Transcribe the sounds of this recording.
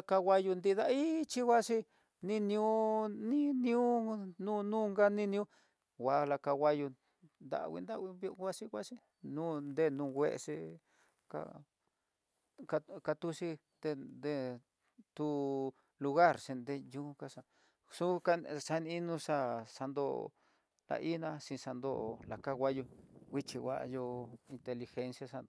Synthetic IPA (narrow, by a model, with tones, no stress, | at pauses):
a˧ka˧wʷa˧ju˧nd̪i˧ða˦˧i˦t͡ʃi˦ɣʷwa˦ʂi˧ | nĩ˦˧nĩ˧ũ˦nĩ˦ñ˧ũ˦nũ˦˧nũ˦ŋɡa˦nĩ˦nĩ˧ũ˦ | wʷa˨˧la˧ka˧ɣʷa˧ju˧ | nd̪a̰˨˧wḭ˧nd̪a˦˧wi˧bo˧wa˦ʂi˧wa˦ʂi˧ | nũ˦nd̪e˦˨nũ˧wʷḛ˦˧ʂi˧ | ka̰˧ | ka˧ka˧t̪u˧ʃi˦ | d̪e˧d̪e˦˧ | t̪u˧ | lu˧ɣa˦˨ɾsi˧nd̪e˧ju˧˦˧ka˧ʂa˧ | su˦ka˧sa˧nĩ˧i˦nũ˧ʂa˦sa˧nd̪o̰˦˨˧ | la̰˧ʔi˦nã˧sĩ˧sa˧nd̪o˦˧ʔla˨ka˦ɣʷa˦ju˧wi˦t͡ʃi˧wʷa̰˧jo˧i˧nt̪e˧li˧xe˧nsja˧sa˧nd̪o˧